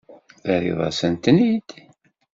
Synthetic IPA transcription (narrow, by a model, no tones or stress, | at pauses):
θæɾḭðˤɑ̰sənt̪nid̪̥